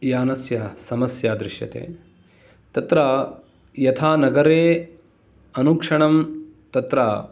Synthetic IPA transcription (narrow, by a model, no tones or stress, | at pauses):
jaːnɐsjasɐmɐsjaːd̪ɾɪʃjɐ̰t̪ḛː | t̪ɐt̪ɾaː | jɐt̪ʰaːnɐɡɐɾeː | ɐnukʂɐɳɐmt̪ɐt̪ɾaː